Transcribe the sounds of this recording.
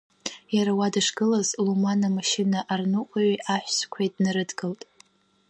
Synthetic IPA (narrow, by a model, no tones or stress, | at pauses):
jaɾawadaʂɡɨlazlumanamaʃɪnaʔarnɨkʷʼaʕiʔaħʷskʷʰajtʼnɨɾɨdɡɨltʼ